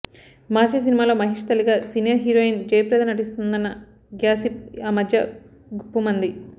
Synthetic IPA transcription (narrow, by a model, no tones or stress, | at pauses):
maːt͡ʃɐs̬inimaːlo̞ːmɐɦiʂt̪ɐliɡaːsinijɐɾɦiːɾoːjind͡ʒɐjɐpɾɛːd̪ɐnɐʈ̬ist̪und̪ɐnːɐ | ɡjaːsipaːmɐd̪ʱjɐ̰ | ɡupːumɐnd̪i